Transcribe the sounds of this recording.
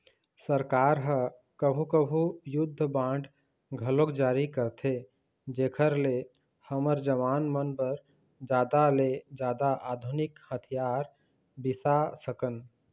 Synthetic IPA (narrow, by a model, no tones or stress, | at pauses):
səɾkaɾɦə | kəbʱukəbʱujud̪ʱːəbãɳɖ | ɡʱəlokd͡ʒaɾikəɾt̪ʰe | d͡ʒekʰəɾle | həməɾd͡ʒəʋanmənbəɾ | d͡ʒad̪aled͡ʒad̪aʔad̪ʱunikhət̪ʰijaɾ | bisasəkən